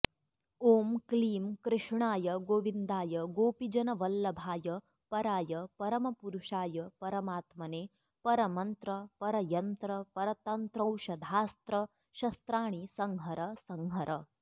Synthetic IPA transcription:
oːmkliːmkɾɪʂɳaːjɐɡoːʋind̪aːjɐɡoːpid͡ʒɐnɐʋɐlːɐbʱaːjɐ | pɐɾaːjɐpɐɾɐmɐpuɾuʂaːjɐpɐɾɐmaːt̪mɐneː | pɐɾɐmɐnt̪ɾɐpɐɾɐjɐnt̪ɾɐpɐɾɐt̪ɐnt̪ɾɐwʃɐd̪ʱaːst̪ɾɐ | ʃɐst̪ɾaːɳisɐŋɦɐɾɐsɐŋɦɐɾʔɐ

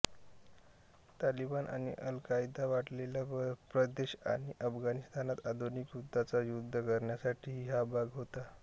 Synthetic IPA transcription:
t̪alibanʔa̰ɽ̃ḭʔəlkajd̪aʋaʈlelapɾəd̪eɕa̰ɽ̃iʔəfɡanist̪anat̪ad̪ʱonikjud̪ʱːat͡sajud̪ʱːəkəɾɳjasaʈʰiːɦiɦabʱaɡɦot̪a

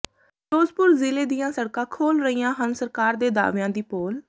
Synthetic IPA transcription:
ʈoːzpʊɾzɪleːd̪ɪjãːsəɽkãːkʰoːlɾəiːãːɦənsəɾkaːɾd̪eːd̪a̰ːʋjãːd̪iːpoːl

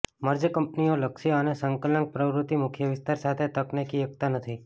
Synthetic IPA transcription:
məɾd͡ʒəkəmpnioləkʃiənesəŋkələŋk̚pɾəʋɾʊt̪imʊkʰjəʋɪst̪aɾsat̪ʰet̪əknekijək̚t̪anət̪ʰi

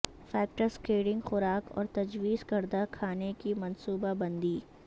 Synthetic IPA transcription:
fɛːk̚ʈəɾskeːɽɪ̃ŋɡxʊɾaːkɔ̰ːɾt̪ɐd͡ʒwiːzkɐɾd̪akʰaːnekimɐnsuːbabɐ̃nd̪iː

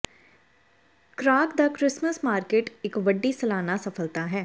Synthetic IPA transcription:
kɾaːkd̪aːkɾɪsməsmaːɾkeːʈɪkʋəɖːiːsəlaːnaːsəpʰəlt̪aːɦɛː

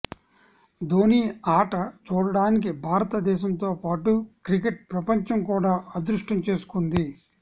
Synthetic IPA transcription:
d̪oːniːaːʈɐt͡ʃuːɽɐɽaːnik̬ibʱaːɾɐt̪ɐd̪ɛːʃɐmnt̪o̞ːpaːʈukɾikeʈ̚pɾɐpɐɲt͡ʃɐmkuːɽaːɐd̪ɾuʂʈɐmt͡ʃe̞ːsu̥kund̪i

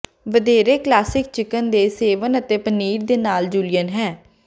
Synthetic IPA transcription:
ʋəd̪eːɾeːklaːsɪk̚t͡ʃɪkənd̪eːseːʋənət̪eːpəniːɾd̪eːnaːld͡ʒuːlɪjənɦɛː

